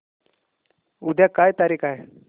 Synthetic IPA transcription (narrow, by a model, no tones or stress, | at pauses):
ud̪ʱjakajt̪aɾiːkʰaɦe